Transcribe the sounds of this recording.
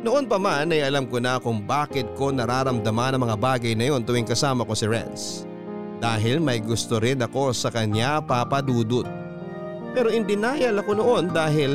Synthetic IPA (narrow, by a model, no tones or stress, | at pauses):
noʔonpɐmanɐjʔɐlamkonɐkʊŋbaːkɪt̪̚ko̞nɐɾaːɾɐmd̪ɐmanɐŋmɐŋabaːɡɐjnɐjo̞nt̪ʊwɪŋkɐsaːmɐko̞sɪɹɛ̰ns | d̪̥aːɦɪlmɐjɡʊst̪oɾɪd̪ɐko̞sɐkɐɲapapɐd̪uːd̪ʊt̪̚ | pɛːɾo̞ʔɪnd̪ɪnaːjɐlɐko̞noʔo̞nd̪aːɦɪl